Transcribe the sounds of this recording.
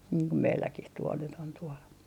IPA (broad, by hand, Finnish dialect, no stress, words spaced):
niːŋ ko meilːækih tuol nyt on tuol